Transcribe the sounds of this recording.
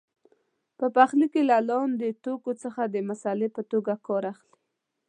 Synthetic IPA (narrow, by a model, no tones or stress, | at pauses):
pəpaxlikelalɑnd̪ət̪okot͡səxad̪əmasɑlepət̪oɡakɑɾaxli̥